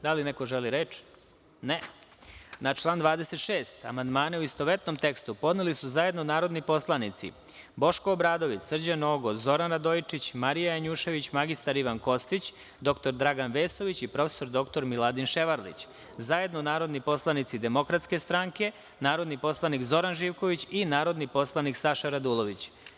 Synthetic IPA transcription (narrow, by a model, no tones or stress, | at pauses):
d̪alineko̞ʒeliɾeːt͡ʃ | ne | nat͡ʃlˠaːnd̪ʋaːd̪ese̞t̪ʃeːst̪a̰mand̪maːneuist̪o̞ʋet̪no̞mt̪e̞kst̪upo̞d̪nelisuzaje̞d̪nonaːɾo̞d̪nipo̞slˠanit̪sḭ | bo̞ʃkoːbɾaːd̪o̞ʋit͡s̪r̩d͡ʑano̞ɡozo̞ɾanɾad̪ojit͡ʂit͡ɕmaɾijajaɲuːʃe̞ʋit͡ɕmaɡist̪aɾiʋanko̞st̪it͡ɕ | d̪o̞kt̪o̞ɾd̪ɾaɡanʋeːso̞ʋit͡ɕipɾo̞feso̞ɾd̪o̞kt̪o̞ɾmilˠad̪inʃe̞ʋaɾlḭt͡ɕ | zaje̞d̪nonaːɾo̞d̪nipo̞slˠanit̪sid̪e̞mo̞kɾat̪ske̞st̪ɾaŋke̞ | naːɾo̞d̪nipo̞slˠanikzo̞ɾanʒiːʋko̞ʋit͡ɕinaːɾo̞d̪nipo̞slˠaniksaʃaɾad̪ulˠo̞ʋit͡ɕ